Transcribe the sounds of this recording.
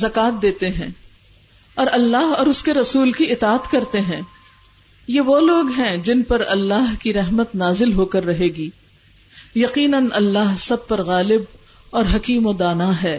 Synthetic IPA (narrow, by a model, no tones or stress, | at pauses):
zɐkaːt̪̚d̪eːt̪eɦɛ̃ː | ɔːɾɐlːaːɦɔːɾʊskeɾɐsuːlkiɪt̪aːət̪kɐɾt̪eɦɛ̃ː | jeʋoloːɡɦɛ̃d͡ʒɪnpɐɾɐlːaːɦkiɾɛɦmət̪naːzɪlɦokɐɾːɐɦeːɡiː | jɐqiːnənɐlːaːɦsɐb̚pɐɾɣaːlɪb̚ | ɔːɾɦɐkiːmod̪aːnaɦɛː